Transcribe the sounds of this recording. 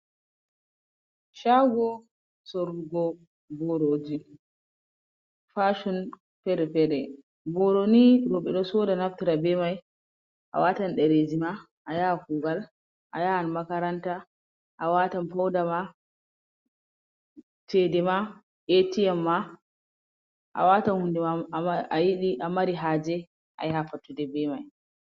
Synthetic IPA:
ʃaɡɔ | sɔɾuɡɔ | bɔɾod͡ʒi | faʃun | fɛɾɛfɛɾɛ | bɔɾoniɾɔɓɛɗɔsɔːdanaftiɾabɛmaj | ʔa̰watanɗɛɾed͡ʒima | ʔajakuːɡal | ʔajahanmakaɾanta | ʔawatanpawdama | tɛdɛma | ʔetiɛmːa | ʔa̰watanhundimaʔajiɗiʔamaɾiɦaːd͡ʒɛ | ʔa̰jhafatːudɛbɛmaj

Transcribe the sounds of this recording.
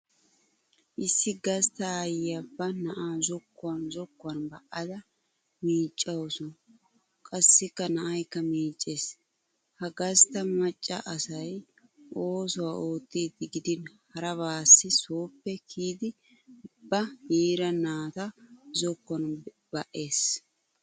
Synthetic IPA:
ʔɪsːɪɡɐst̪ɐjɪɐbːɐnɐʔaːzɔkːʊwɐnzɔkːʊwɐnbɐʔɐd̪ɐ | miːt͡ʃʼːɐwɔsɔ | kʼɐsːɪkːɐnɐʔɐjkːɐmiːt͡ʃʼːeːs | hɐɡɐst̪ɐmɐt͡ʃʼːɐ̰ʔɐsɐj | ʔo̞ːsɔwaːʔo̞ːt̪ːiːd̪ːɪɡɪd̪ɪnhɐɾɐβaːsːɪsoːpːɛkʰiːd̪ɪ | bɐjiːɾɐnaːt̪ɐzɔkːɔn | b̥ɐʔe̞ːs

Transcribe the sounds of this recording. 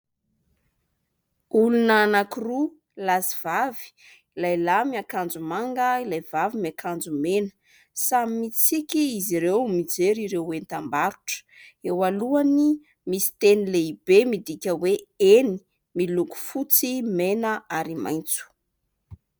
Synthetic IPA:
ulunaːnakiru | laziv̥avi̥ | ilajlamiakand͡zumaŋɡəilajvavimiakand͡zumenə̥ | samimit͡sikʲiːziɾewmid͡zeɾiɾewwent̪ambaɾuʈ͡ʂə̥ewaluani | misi̥t̪enileibemid̪ikʲəweeni̥ | miluku̥fut͡simenəaɾima̰jnt͡su̥

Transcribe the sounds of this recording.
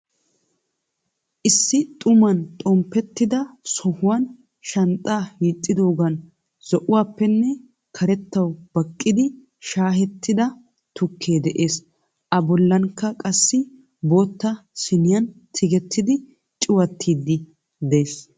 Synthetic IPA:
ʔɪsːɪt̪ʼʊmɐnt̪ʼɔmpɛt̪ːɪd̪ɐsɔhʊwɐn | ʃɐnt̪ʼːaːhiːt̪ʼːɪd̪o̞ːɡɐn | z̥ɔʔʊwaːpːɛnːɛ | kʰɐɾɛt̪ːɐwb̥ɐkʼːɪd̪ɪ | ʃaːɦɛt̪ːɪd̪ɐ | t̪ʊkʰːe̞ːd̪ɛʔeːs | ʔɐbɔlːɐnkːɐkʼɐsːɪ | bo̞ːt̪ːɐsɪnɪjɐnt̪ʰɪɡɛt̪ʰːɪd̪ɪ | t͡ʃʼɪwɐt̪ʰːiːd̪ːɪ | d̪ɛeːs

